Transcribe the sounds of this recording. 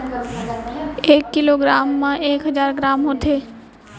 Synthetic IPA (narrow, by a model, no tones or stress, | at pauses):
eːkːɪloːɡɾaːmːãeːkɦəzaːɾɡɾaːmɦoːt̪ʰeː